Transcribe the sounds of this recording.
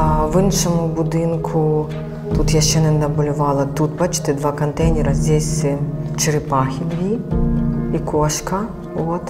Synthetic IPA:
aʋɪnʂɔmʊbʊd̪ɪnkʰʊ | t̪ut̪jaʃt͡ʃɛnɛnnɐbʊlʲʊʋɑlˠɐt̪ut̪̚pɐt͡ʃt̪ɪd̪ʋakɐnt̪ɛjnʲɛɾɐzʲdʲesʲt͡ʃɪɾɪpaxʲid̪ʋʲi | ikoʂkɐ | ʋot̪

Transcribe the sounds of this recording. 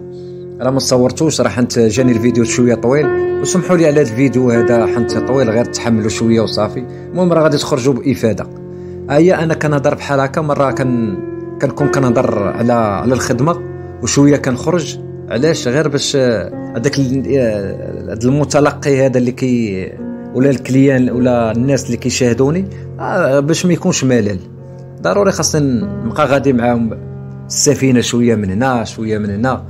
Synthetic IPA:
ɾɑmæt̪sˤɑwːəɾˤt̪uʃɾˤɑħənt̪ʒænilvid̪jut̪ʃwəjat̪ˤːwilwsmħuliʕlæd̪lvid̪juhæd̪æħənt̪ːit̪ˤwilɣiɾt̪ːħamːluʃwəjːawsˤɑfi | mumɾˤɑɣæd̪it̪əxɾˤʒubʔəfæd̪a̰ | həjːæʔænːækænəhd̪ˤɑɾˤbħalɑkɑmɑrˤːɑkæn | kænkunkænəhd̪ˤɑɾˤʕlæʕlælxəd̪ma | wʃwəjːakænxɾˤəʒ | ʕlæʃɣiɾbæʃ | d̪ækl | d̪əlmʊt̪ɑlɑqːihæd̪ælːikæj | wlælkljænwlænːæslːikæjʃæhd̪uni | bæʃmæjkunʃmælæl | d̪ɑɾuɾixɑsˤt̪inbqɑɣæd̪imʕahʊm | əsːæfinaʃwəjːæmənhnæʃwəjːæmənhnæ

